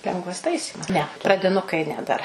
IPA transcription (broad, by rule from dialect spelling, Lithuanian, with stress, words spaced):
ˈlʲɛŋɡʋɐs ˈtɐɪsʲiːmɐs nʲɛ prɐdʲɪˈnʊkɐɪ ˈnʲɛ dɐr